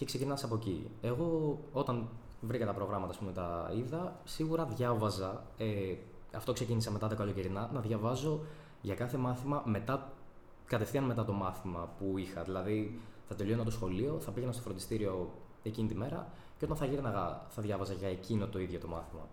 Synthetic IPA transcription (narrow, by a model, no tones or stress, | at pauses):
ce̞kse̞cinɐsɐpo̞cḭe̞ɣo̞o̞t̪ɐn | vɾikɐt̪ɐpɾo̞ɣɾɐmɐt̪ɐːspumet̪ɐiðɐsiɣuɾɐðʝɐvɐzɐ | e | ɐft̪o̞kse̞cinisɐme̞t̪ɐðe̞kɐʎo̞ciɾinɐnɐðʝɐvɐzo̞ | ʝɐkɐθe̞mɐθimɐme̞t̪ɐ | kɐt̪e̞fθiɐnme̞t̪̬ɐt̪o̞mɐθimɐpuixɐðilɐðiθɐt̪e̞lionɐt̪o̞sxo̞lio̞θɐpiʝenɐst̪ofɾnd̪ist̪iɾio̞ | e̞cinit̪ime̞ɾɐ̰ | ceo̞t̪ɐ̃nθɐʝiɾnɐɣɐθɐðʝɐvɐzɐʝɐecino̞t̪o̞iðʝo̞t̪o̞mɐθimɐ̰